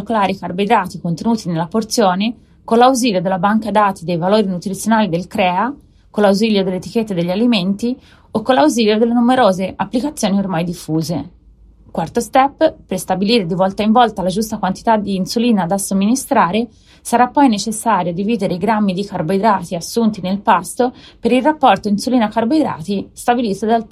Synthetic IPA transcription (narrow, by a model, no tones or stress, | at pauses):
klaːɾikarbed̪ɾaːt̪ikont̪enuːt̪inelːaport̪sjoːne | konlːawziːljod̪elabaŋkad̪aːt̪ʰid̪ejvaloːɾinut̪ɾit̪sːjonaːlid̪elkɾɛːa | kolːawziljod̪elːet̪iket̪ːed̪eʎːaliment̪i | okːolawziːljod̪elːenumeɾoːzeʔapːlikat̪sːjoːniormajd̪ifːuːze | kwart̪ost̪ɛpːperst̪abiliːɾed̪ivɔlt̪aiɱvɔlt̪alad͡ʒust̪akwant̪i̥t̪ad̪iːnsuliːnad̪asːomːinist̪ɾaːɾe | saɾapːɔjnet͡ʃesːaːɾjod̪iviːd̪eɾeiɡɾamːid̪ikarboid̪ɾaːt̪iasːunt̪inelpast̪opeɾilrapːɔrt̪oinsuliːnakarbojd̪ɾa̰ːt̪ist̪abiliːt̪od̪al